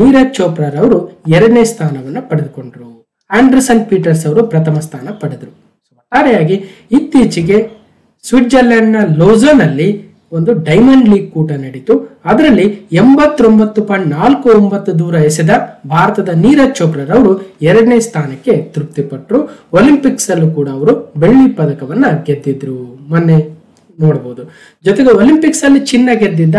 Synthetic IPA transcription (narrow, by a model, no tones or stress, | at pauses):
niːɾɐt͡ʃːoːpɾaːɾɐʋɐɾuɛɾɐɽɐneːst̪ʰaːnɐʋɐnːupɐɽed̪uko̞ɳɖɾu | aːɳɖɐɾsɐnpiːʈɐɾsɐʋɐɾupɾɐt̪ɐmɐst̪ʰaːnɐpɐɽed̪ɐɾu | sʋɐt̪ːaːɾɛjaːɡi | it̪ːiːt͡ʃiɡe̞ | sʋiʈd͡ʒɐlːɐɳːɐloːzɐnɐlːi | o̞nd̪uɖɐjmɐɳɖliːɡ̚kuːʈɐnɐɽit̪uɐd̪ɐɾɐlːiembɐt̪ːɾo̞mbɐt̪ːupɐɳnaːlkuombɐt̪ːud̪uːɾɐesid̪ɐbʱaːɾɐt̪ɐd̪ɐniːɾɐt͡ʃːoːkɾɐɾɐʋɐɾuɛɾɐɽɐneːst̪ʰaːnɐkːe̞t̪iɾup̚t̪ipɐʈːɾuolimpiksɐlːukuːɽɐːʋɐɾubeɭʋipɐd̪ɐkɐʋɐnːɐɡed̪ːid̪ɾumɐnːe̞ | noːɽɐboːud̪u | d͡ʒɔt̪eɡeolimpiksɐlːit͡ʃinːɐɡed̪ːind̪ɐ